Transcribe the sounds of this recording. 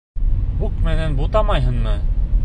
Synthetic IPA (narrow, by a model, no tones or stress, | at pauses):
buqmænænbut̪ɑmɑjɦɤ̆nmɤ